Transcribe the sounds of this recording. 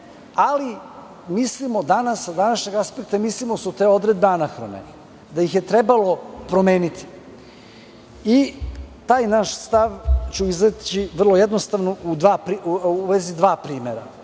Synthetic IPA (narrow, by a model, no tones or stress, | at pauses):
ali | mislimo̞d̪anasad̪anaʃɲeɡaspek̚t̪amislimosut̪e̞ːo̞d̪ɾed̪̚beanaxɾonḛni | d̪ajixje̞t̪ɾebalo̞pɾo̞meːnit̪i̥ | it̪aːjnaʃst̪aʋt͡ɕuizat͡ɕiʋr̩lˠo̞je̞d̪nost̪aʋnoud̪ʋaːpɾiuʋezid̪ʋaːpɾiːmeɾa̰